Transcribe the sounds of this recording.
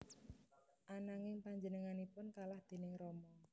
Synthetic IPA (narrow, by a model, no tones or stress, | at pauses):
ʔanaŋɪŋpaɲd͡ʒənəŋanipʊnkalahd̪̥e̤nɪŋrɔmɔ